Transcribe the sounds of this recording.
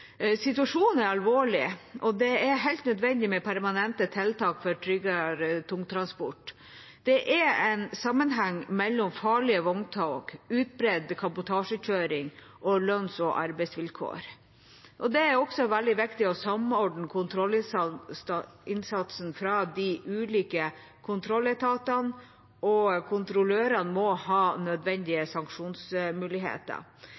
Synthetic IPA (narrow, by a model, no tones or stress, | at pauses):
sɪt̪ʉɑʂuːnn̩æɾɑlʋoːɭɪʔɔd̪ɛæɾɦæɪlt̪nœd̪ʋɛnd̪ɪmɛpʰæɾmɑnɛnt̪ət̪ʰɛlt̪ɑːkfɔɾʈʰɾʏɡɑɾt̪ʰʊŋt̪ʰɾɑnspɔʈ | d̪̥ɛʔɛɾɛɪnsɑmːənɦɑŋːmɛlːɔmfɑːɭɪəʋɔŋt̪ʰɑːkʉːt̪̚bɾɛd̪kʰɑbʊt̪ʰɑːʂəçøːɾɪŋ | ʔɔlœnsɔʔɑɾbɛɪsʋɪlkʰo̰ːɾ | ʔɔd̪ɛæɾɔɡsɔʋæld̪ɪʋɪkt̪ɪɔsɑmɔɖɳ̩kʰʊnt̪ʰɾɔl | ɪnsɑt̪sənfɾɑːd̪iʔʉːliːkə | kʰʊnt̪ʰɾɔlːɛt̪ʰɑːt̪ɑn | ɔkʰʊnt̪ɾʊløːɾɑnmɔhɑːnœd̪ʋɛnd̪ɪəsɑŋkʂuːnsmʉːlɪɦḛːt̪ə̰